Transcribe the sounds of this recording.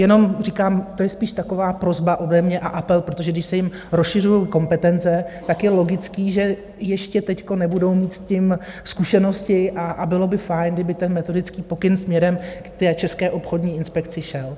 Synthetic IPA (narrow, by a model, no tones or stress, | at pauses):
jɛno̞mriːkaːmt̪ojɛspiːʃt̪ako̞vaːpɾo̞zbaʔo̞dɛmɲɛʔaʔapɛlpɾot̪o̞ʒɛɡdɪʃsɛjɪm | ɾosʃɪrujowko̞mpɛt̪ɛnt͡sɛt̪akjɛlo̞ɡɪt͡skiːʒɛ | jɛʃcɛt̪ɛcko̞nɛbudo̞wmiːt̪cɪmskuʃɛno̞scɪʔaʔabɪlo̞bɪfajnɡdɪbɪt̪ɛnmɛt̪o̞dɪt͡skiːpo̞kɪnsmɲɛɾɛmkt̪ɛːt͡ʃɛskɛːʔo̞pxo̞dɲiːɪnspɛkt͡sɪʃɛl